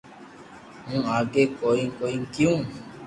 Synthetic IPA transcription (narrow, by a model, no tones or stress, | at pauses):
ɦũːaːɡeːkoːĩkoːĩŋkjũː